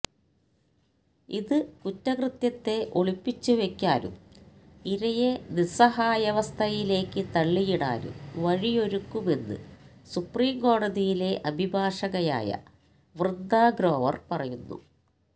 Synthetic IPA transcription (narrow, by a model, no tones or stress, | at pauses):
iðɨkutːɐkrɨt̪jɐt̪ːe̞ʔo̞ɭipːit͡ɕːuʋe̞kʲːaːɾṵm | iɾɐjenisɐɦaːjɐʋɐst̪ʰɐjile̞ːkːɨt̪ɐɭːijiɽa̰ːɾṵmʋɐɻio̞ɾukːume̞nːɨ̰ | supriːmko̞ːɽɐðijile̞ʔɐbʱibʱaːʂɐɣɐja̰ːjɐ̰ | ʋrɨd̪ʱːaːɡɾo̞ːʋɐ̰rpɐrɐjunːṵ